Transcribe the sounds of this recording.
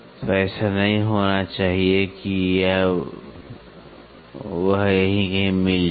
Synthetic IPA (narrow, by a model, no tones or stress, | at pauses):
t̪oɛːsanɐɦĩɦoːnat͡ʃaːɦiekija | ʋɐɦjɐɦĩkɐɦĩmɪld͡ʒ